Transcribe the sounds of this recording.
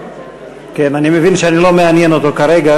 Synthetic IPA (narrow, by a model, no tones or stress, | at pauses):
ke̞nanime̞vinʃeanilo̞meanjeno̞t̪o̞kaɾe̞ɡa